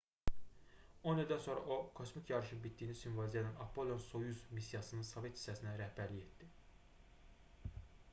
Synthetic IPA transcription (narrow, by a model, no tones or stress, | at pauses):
o̞nilʲd̪ænso̞nɾɑ̰ʔokʰo̞smikʰjɑɾɯʃɯnbit̪̚d̪iːnisynvɑzijɑnænɑpʰːolonsojuzmisːjɑsɯnɯnsove̞t̪ʰi̥sæsinæɾæhbæɾlije̞t̪d̪i